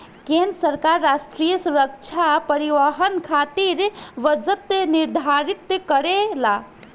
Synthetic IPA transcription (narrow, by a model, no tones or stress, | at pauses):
kẽnɾəsəɾkaɾːasʈɾijəsuɾək̚t͡ʃʰapəɾiʋaɦənkʰat̪iɾʋəd͡ʒət̪niɾd̪ʱaɾit̪kəɾela